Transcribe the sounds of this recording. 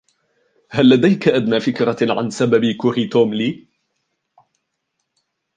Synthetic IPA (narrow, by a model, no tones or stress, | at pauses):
halːad̪ajkaʔad̪naːfɪkɾaʕa̰nsababikʊɾit̪oːmliː